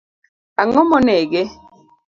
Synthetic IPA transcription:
aŋɔmɔnɛɡe

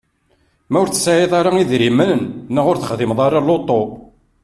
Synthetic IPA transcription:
mæʊɾt͡sːə̥saʕeðˤaɾaiðɾimənənnːəʁʊɾθə̥χðimðˤɑɾˤɑlot̪ˤːo

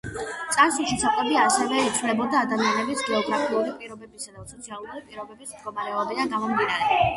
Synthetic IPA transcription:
t̪sʼansulˠʃisat̪ʼɛbiasɛvɛit̪sʰvunlɛbɔd̪aːd̪amianɛbisɡɛɔɡɾapʰiulipʼiɾɔbɛbisad̪asɔt̪sʰialˠuɾipʼiɾɔbɛbismd̪ɡɔmaɾɛɔbid̪anɡamɔmd̪inaɾɛ

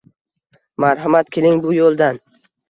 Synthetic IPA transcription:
maɾɦamat̪kʲʰelɪŋbʊjolˠd̪an

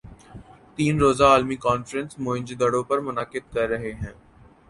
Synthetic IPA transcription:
t̪iːnɾoːzaaːlmikaːnfɾə̃nsmõːɪ̃ɲd͡ʒd̪ɐɽõpɐɾmʊnaːkɪd̪̚kɐɾːɐɦeɦɛ̃ː

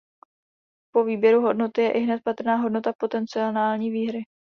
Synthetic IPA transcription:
po̞viːbjɛɾuɦo̞dno̞t̪ɪjɛʔɪɦnɛt̪̚pat̪r̩naːɦo̞dno̞t̪apo̞t̪ɛnt͡sɪonaːlɲiːviːɦɾɪ

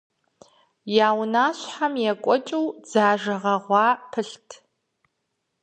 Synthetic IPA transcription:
jaːwnaːɕħamjɛkʷʼɔt͡ʃʼuwd͡zaːʒɐʁɐʁʷɑːpʰɨɬtʰ

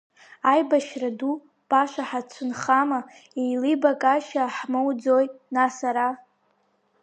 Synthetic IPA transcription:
ajbaʃradu | b̥aʃʷaħat͡ɕʷʰʊnχama | ejlibakʼaʃaħmowd͡zojnasaɾa

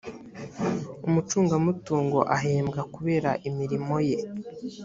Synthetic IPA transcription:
umut͡ʃuːŋɡamutuːŋɡo̞ʔaɦeːmɡakuβe̞ːɾa̰ʔimiɾimo̞je̞

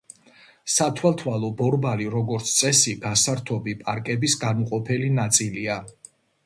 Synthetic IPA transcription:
sat̪ʰwɛlˠt̪ʰwalˠɔbɔɾbaliɾɔɡɔɾt̪sʰt̪sʼɛsiɡasaɾt̪ʰɔbipʼaɾkʼɛbisɡanuqʼɔpʰɛlinat̪sʼilia

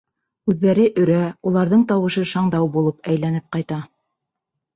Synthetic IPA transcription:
ʉðːæɾɘʔɵ̆ɾæulˠɑɾðɤɴt̪ɑwɤ̆ʃɤʃɑɴd̪ɑwbulˠɤpæjlænɘp̚qɑjt̪ɑ

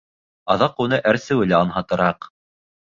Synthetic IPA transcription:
ɑðɑqunɤʔæɾsɘwɘ̆læɑnɦɑt̪ɤ̆ɾɑq

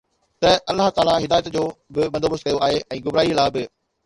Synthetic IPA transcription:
t̪ɐɐlːaɦt̪aːlaɦɪd̪aːjət̪d͡ʑoːbɪbɐ̃nd̪oːbəst̪kɐjoaːɦeʔɛ̃ːɡʊbɾaːilaːbɪ

